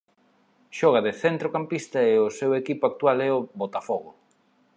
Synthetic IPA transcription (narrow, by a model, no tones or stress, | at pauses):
ʃɔɣɐðeθɛnt̪ɾokampist̪ɐeʊsewekipʊak̚t̪ualɛʊβot̪afɔɣʊ